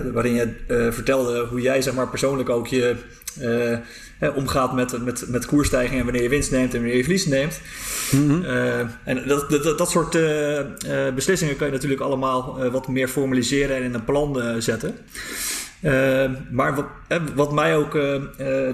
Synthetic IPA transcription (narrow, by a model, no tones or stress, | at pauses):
ʋaːɾɪnjəvəɹtɛlˠdəɦujɛjzɛχmaːɹpɛɹsownləkowkjə | ɦɛʔɔmχaːtmɛtmɛtmɛtkuɹstɛjχɪŋɛnʋanɪːɹjəʋɪnstnejmtɛnʋnɪːɹjəvəlisnejmt | ɛndɑtsʊːɹtə | bəslɪsɪŋəkɑnjənatyːɹləkɑləmaːlˠʋɑtmɪːɹfɔɹmalizɪːɾənɛnɪnənplɑnəzɛtən | əmaːɹ | ɦɛʋɑtmɛjowk